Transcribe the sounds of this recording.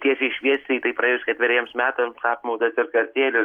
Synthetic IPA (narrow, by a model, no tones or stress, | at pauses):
t̪ʲiɛsʲɛɪʃʲʋʲiɛsʲt̪ʲɛɪt̪ɐɪpɾɐeːjʊskʲɛt̪ʲʋʲɪɾʲiɛmsmʲæːt̪ɐmsɑːpmɐʊt̪ɐsɪɾskɐɾʲt̪ʲeːlʲʊ